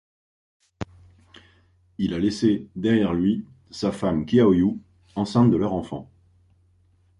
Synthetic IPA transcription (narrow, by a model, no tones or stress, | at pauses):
ilalesed̪ɛʁjɛʁlɥi | safamkʲiaɔju | ɑ̃sɛ̃t̪̚d̪əlœʁɑ̃fɑ̰̃